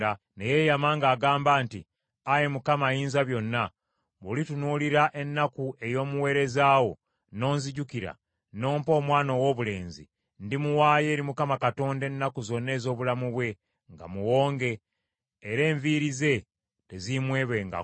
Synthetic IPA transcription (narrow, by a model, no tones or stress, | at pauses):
a | neje̞jamaŋɡaːɡaːmbaːnti | aje̞mukamajiːnzaβjo̞nːa | βulitunuːliɾaʔe̞nːakue̞jo̞ːmuwe̞ːɾe̞zaːwo̞ | no̞ːnziɟukiɾa̰ | no̞ːmpo̞ːmwaːnowo̞ːβule̞ːnzḭ | ndimuwaːje̞ːɾimukamakato̞ːnde̞nːakuzo̞nːe̞ːzo̞ːβulamuβwe̞ | ŋɡa̰muwo̞ːŋɡe̞ː | ɾe̞ːɱviɾize̞ | te̞zimwe̞ːβe̞ŋɡa̰